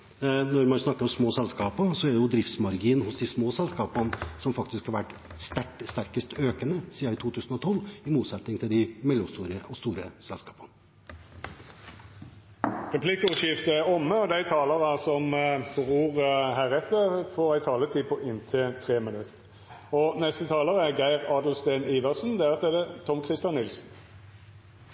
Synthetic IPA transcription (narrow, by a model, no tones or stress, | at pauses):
nɔɾmɑnsnɑkːəɾɔmsmoːsɛlskɑːpəsɔɛɖ̪ɛjʊd̪ɾɪft̪smɑɾɡiːənhʊsd̪ɪsmoːsɛlskɑːpənsɔmfɑkt̪ɪskhɑɾʋæʈːst̪æʈst̪æɾkəst̪øːkənəsiːɑɪt̪ʰuːt̪ʰʉːsn̩ɔt̪ʰɔlːɪmuːt̪sɛt̪nɪŋt̪ʰɪld̪ɪmɛljɔmst̪uːɾəɔst̪uːɾəsɛlskɑːpən | ʁɛpʰlɪkːəʉʃɪft̪əæɾɔmːəɔd̪æɪt̪ʰɑːləʁɑsɔmfɔʁuːʁhæːʁɛt̪ːəʁfoːʁæɪt̪ʰɑːlət̪ʰiːpʰɔʔɪnt̪ʰɪt̪ʰʁeːmɪnʉt̪ | ɔnɛst̪ət̪ʰɑːləʁəæɡæɪʁɑːd̪l̩st̪eːniːʋɑʁsnd̪ɛʁət̪ɛd̪ɛt̪ʰɔmkʰʁɪst̪jɑnːɪlsn̩